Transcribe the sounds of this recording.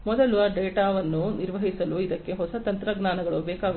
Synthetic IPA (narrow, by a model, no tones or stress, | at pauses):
mɔd̪ɐluʋɐɖeːʈaːʋɐnːuniɾʋɐɦisɐluid̪ɐkːe̞ɦɔsɐt̪ɐnt̪ɾɐɡnaːnɐɡɐɭubɛːkaːɡu